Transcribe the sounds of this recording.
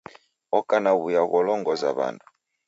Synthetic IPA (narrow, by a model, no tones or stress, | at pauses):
ɔkanaβujaɣɔlɔŋɡɔza̰βa̰ndu